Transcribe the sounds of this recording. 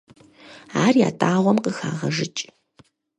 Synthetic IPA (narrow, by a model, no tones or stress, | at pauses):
aːrja̰ːtʼaːʁʷɔmqəxa̰ːʁɐʒɪt͡ʃʼ